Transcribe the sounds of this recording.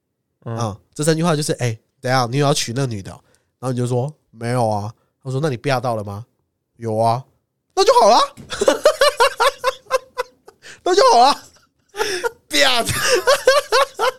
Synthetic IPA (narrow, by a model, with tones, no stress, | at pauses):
ə˥˩ʈ͡ʂɤ˥˩s̬a˥nt͡ɕy˧xwa˥˧t͡ɕjʂɻ̩˥˩ʔe˥˩ɪ | t͡sə˨˩˦jɑ˥˩ŋni˧˥jjɑ˥˧ʊt͡ɕʰy˨˩na˥˩ɡny˨˩d̪ə̰˦ | na˨˩˥ni˨˩jo˥˧˩ʂwɔ˥ | me˧˥ɪjo˨˩ʊɐ˦ | na˥˧swɔ˥na˥˩ni˨˩pja˥˧t̪ɑ˥˩ʊlə˩ma˩ | jo˨˩ʊɐ˦ | na˥˧t͡ɕjxɑ˨˩ʊlɐ˦ | na˥˧t͡ɕjo˥˩ʊxɑ˨˩ʊlɐ˦ | pja˥˧˩